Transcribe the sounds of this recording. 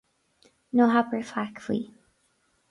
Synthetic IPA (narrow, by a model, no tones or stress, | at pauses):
noɦapəɹfakflḭ